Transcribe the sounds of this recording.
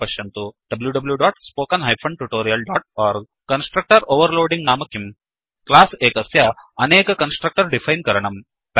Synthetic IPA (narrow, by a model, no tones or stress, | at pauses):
pɐʃjɐnt̪uɖ̥ɐbljuɖɐbljuɖɔːʈspoːkɐnɦɐjpʰoɳɖʈuʈoːɾijɐlɖɔːʈ̚ɔːɾɡ̚ | kɐnsʈɾɐk̚ʈɐɾoːʋɐɾloːɖĩŋɡnaːmɐkim | klaːseːkɐsjaɐneːkɐkɐnsʈɾɐk̚ʈɐɾɖifʰɐjnkɐɾɐɳɐm | p